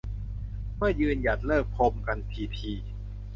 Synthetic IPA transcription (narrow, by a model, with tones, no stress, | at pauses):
mɯ˥˩ɐjɯː˧nja˨˩t̪̚lɤː˥˩k̚pʰo˧mka˧npʰiː˧pʰiː˧